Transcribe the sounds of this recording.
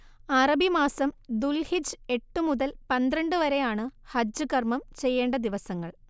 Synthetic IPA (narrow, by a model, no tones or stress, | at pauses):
ɐrɐbimaːsɐmd̪ulhid͡ʑɨe̞ʈːumuðɐlpɐnd̪ɾɐɳɖɨʋɐɾe̞jaːɳɨhɐd͡ʑɨkɐrmɐmt͡ɕe̞jːeːɳɖɐd̪iʋɐsɐŋːɐɭ